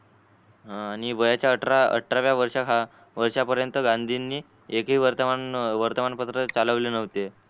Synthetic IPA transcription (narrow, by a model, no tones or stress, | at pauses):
ɦãaɽ̃iʋəjat͡ɕjaəʈɾaə̰ʈʰɾaʋjaʋəɾʂakɦa | ʋəɾʂapəɾjənt̪əɡãnd̪ʱinːiː | ekɦiːʋəɾt̪əmanʋəɾt̪əmanpət̪ɾət͡saləʋlenəʋt̪e